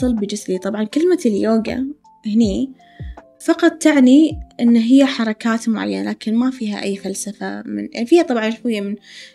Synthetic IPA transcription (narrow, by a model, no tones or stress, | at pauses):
ɨlbɪd͡ʒɪslit̪ˤɑbʕɑnkɪlmaljoːɡa̰ | hɪniː | fɑqɑt̪ˤt̪aʕniʔɪnːaɦɪjːaħɑɾˤɑkaːt̪mʊʕa̰jːanalaːkɪnmafiːɦa̰ʔajːfalsafa̰mɪ̰nfiːhat̪ˤɑbʕɑnʃɪjːamɪn